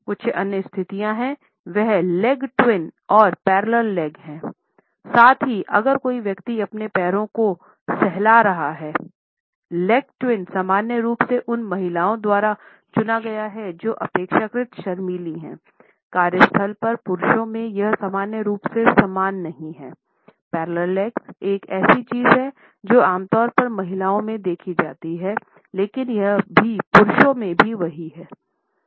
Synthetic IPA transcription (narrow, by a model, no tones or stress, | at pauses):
kʊtːt͡ʃʰʔɐnjəst̪ʰɪt̪ijãɦɛ̃ | ʋɛɦlɛɡʈwɪnɔːɾpɛːɾləlːɛːɡɦɛ̃ː | saːt̪ʰɦiʔɐ̰ɡəɾkoːiʋjɐkt̪iɐpnepɛːɾõko | sɛɦlaɾɐɦaɦɛː | lɛɡʈwɪnsaːmaːnjəɾuːpseʔʊnmɐɦɪlaːõd̪waːɾa | t͡ʃʊnaɡɐjaɦɛd͡ʒoːʔɐ̰peːkʃakɾɪt̪ʃɐɾmiːliɦɛ̰̃ː | kaːɾjəst̪ʰəlpɐɾpʊɾʃõmẽjɐɦsaːmaːnjəɾuːpsesɐmaːnːɐɦĩɦɛː | pɛːɾləɾlɛːkseːkɛːsit͡ʃiːzɦɛ | d͡ʒoːaːmt̪ɔːɾpɐɾmɐɦɪlaːõmẽd̪eːkʰid͡ʒaːt̪iɦɛ | leːkɪnjɐɦbʱipʊɾʃõmẽbʱiʋɐɦiɦɛː